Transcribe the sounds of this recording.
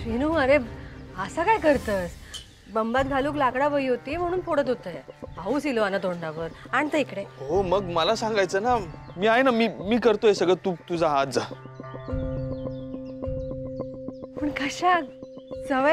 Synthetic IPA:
ʋinuːəɾeəsakajkəɾt̪əːs | bəmbat̪̚ɡʱaluːklakɽaʋəiːɦot̪iːm̤əɽ̃uːnpoɽət̪ɦot̪əjeauːsiloanət̪oɳɖaʋəɾañit̪əikɽeɦoməɡməlasãŋɡajt͡sənamiːajnamiːmiːkəɾt̪oesəɡɭət̪ut̪ud͡zʱaɦat̪̚d͡za | pəɳkəɕak | t͡səʋ

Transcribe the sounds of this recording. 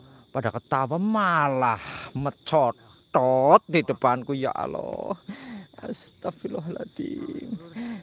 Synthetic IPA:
padakət̪awamalahmət͡ʃɔʈ | ɔt̪̚d̪idəpankuja̰ʔa̰lɔ̰ | a̰st̪afilɔɦla̰t̪ḭm

